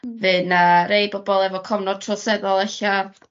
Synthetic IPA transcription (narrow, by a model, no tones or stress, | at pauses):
vɨnaɾejbɔbɔlˠɛvɔkʰɔvnɔd̚tʰrɔsɛðɔlˠɛɬa